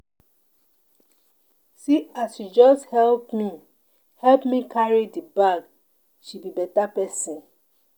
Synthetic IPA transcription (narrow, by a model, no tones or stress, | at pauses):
siasjud͡ʒɔsthɛlpmĩ | hɛlpmĩkʰaɹidibaɡ | ʃibibɛtapɛsĩ